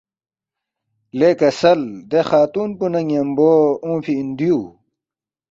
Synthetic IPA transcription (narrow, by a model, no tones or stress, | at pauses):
lekɐsɐld̪exaːt̪uːnpunɐŋjɐmboːũːpʰiind̪iju